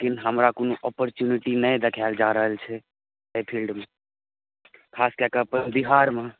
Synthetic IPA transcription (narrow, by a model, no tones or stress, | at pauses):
ekinɦəmɾakonoʔɔpəɾt͡ʃjuniʈinəjd̪ekʰald͡ʒaɾəɦəlt͡ʃʰɛ | epʰilɖme | kʰaskekəpənd̪iɦaɾme